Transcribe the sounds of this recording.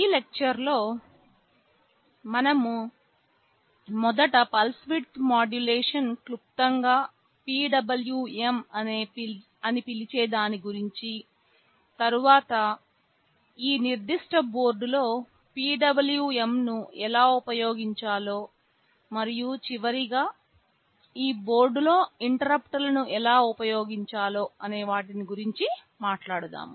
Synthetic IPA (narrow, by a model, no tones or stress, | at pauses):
iːlek̚t͡ʃɐɾlo̞ː | mɐnɐmu | mɔd̪ɐʈɐpɐlsʋiʈt̪maːɖjuleːʂɐnklup̚t̪ɐŋɡaː | piːɖɐbɐljuːemɐneː | ɐnipilit͡ʃeːd̪aːniɡuɾiɲt͡ʃi | t̪ɐɾuʋaːt̪ɐ | iːniɾd̪iʂʈɐbo̞ːɾɖulo̞ː | piːɖɐbɐljuːemnuɛlaːupɐjo̞ːɡiɲt͡ʃaːlo̞ː | mɐɾijut͡ʃiʋɐɾiɡaː | iːbo̞ːɾɖulo̞ːiɳʈɐɾɐpʈɐlɐnuʔɛlaːupɐjo̞ːɡiɲt͡ʃaːlo̞ːɐne̞ːʋaːʈiniɡuɾiɲt͡ʃi | maːʈlaːɽut̪a̰ːm